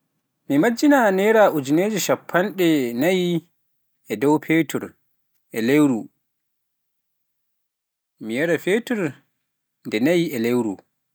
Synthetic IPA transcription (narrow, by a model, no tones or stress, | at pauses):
mimad͡ʒːinanɛɾaʔud͡ʒineːd͡ʒiʃapʰːanɗɛnaji | ɛdɔwpʰetʰuɾ | ʔɛlewɾu | mijaɾafetuɾ | ndɛnajiɛlewɾṵ